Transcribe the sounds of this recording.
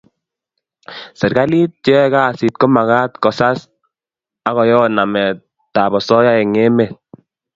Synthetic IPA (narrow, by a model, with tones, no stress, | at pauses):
sɛ˨ɾɡa˦li˦t̚t͡ʃɛ˦ka˦˨si˨t̚kɔ˦ma˨ɣa˦t̪kɔ˨sa˦s | a˦ɣɔ˨jɔ˦na˨mɛ˨ | ta˨bɔ˨sɔ˦ja˦ɛ˨ŋe˦me˨t